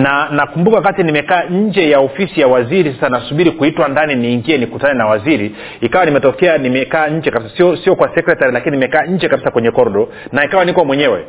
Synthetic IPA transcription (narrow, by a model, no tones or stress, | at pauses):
nanakumbukawakatinimɛkaːɲ̩d͡ʒɛjaɔfisijawaziɾisasanasuɓiɾikuitwandaniniːŋɡiɛnikutanɛnawaziɾi | ikawanimɛtɔkɛanimɛkaːɲ̩d͡ʒɛkabisasiɔsiɔkwasɛkɾɛtaɾilakininimɛkaːɲ̩d͡ʒɛkaɓisakwɛɲɛkɔɾɗɔ | naikawanikwɔmwɛɲɛwɛ